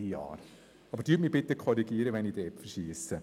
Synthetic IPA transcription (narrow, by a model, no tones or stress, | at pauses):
ijɑ̰ːɾ | ɑbəɾd̥yːtmib̥ɪtəkʰɔɾiɡiːɾəʋɛnidɛpfəʃiːsə